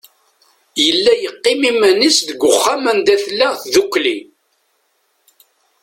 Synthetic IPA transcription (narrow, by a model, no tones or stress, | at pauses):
jəlːæjəqːɪmimænisðəɡʷʊχːamænd̪æθlːəʁθðukːli